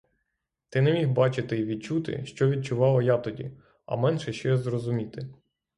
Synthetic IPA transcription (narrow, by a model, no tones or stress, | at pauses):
t̪ɪnɛmʲixbɑt͡ʃɪt̪ɪʋʲid̪̚t͡ʃut̪ɪ̰ʃt͡ʃɔʋʲid̪̚t͡ʃʊʋɑlˠɐjat̪ɔdʲḭ | ɐ̰mɛnʃɛʃt͡ʃɔjɛzrɔzʊmʲit̪ɪ